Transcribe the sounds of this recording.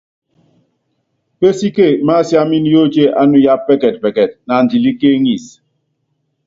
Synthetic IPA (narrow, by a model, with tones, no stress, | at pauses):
pe˦si˦ke˦˨˦ma˦˨sja˦mi˦n˦jo˦t͡ʃe˦ʔa˦nu˨ja˦p̚pɛ˦kɛ˨t̚pɛ˨kɛ˨t̚na˨n̩˨d͡ʒi˨li˦ke˦ŋi˦˨s